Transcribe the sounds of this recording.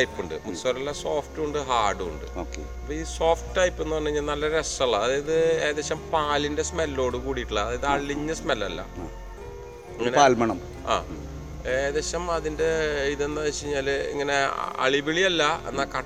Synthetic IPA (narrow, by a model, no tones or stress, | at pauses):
jpːuɳɖɨ̰musɐːɾelːaso̞ːfʈɨuɳɖɨɦaːɖɨṵɳɖɨ̰oːkːḛ | ɐpːɐːiːso̞ːfʈɨ̥ʈɐjpːe̞nːupɐɳːeɲːɐlnɐlːɐɾesɐɭːɐɐðejɐðɨeːðeɕɐmpaːlinde̞sme̞lːo̞ːɽɨkuːɽijiʈːuɭːɐɐðejɐðɨɐɭːiɲːɐsmelːɐlːɐ̰ | iŋːɐneaːlmɐɳɐm | a̰ː | eːðe̞ɕɐmɐðinde̞iðenːaeɕiɲːaːlḭŋːɐne̞ɐ̰ɭibiɭijɐlːɐḛnːaːkɐ